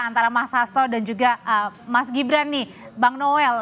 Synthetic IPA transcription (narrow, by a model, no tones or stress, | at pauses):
ant̪aɾamashast̪ɔdand͡ʒuɡaʔəmasɡibɾani | baŋnoɛl